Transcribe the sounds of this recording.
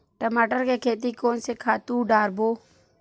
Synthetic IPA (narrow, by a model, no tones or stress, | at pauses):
ʈəmaːʈəɾkekʰeːt̪̬iːkoːnsekʰaːt̪ũːɖaːɾboː